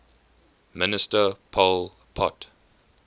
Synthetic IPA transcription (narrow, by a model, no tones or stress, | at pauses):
mɪnɪstəpʰɔl | pʰɔt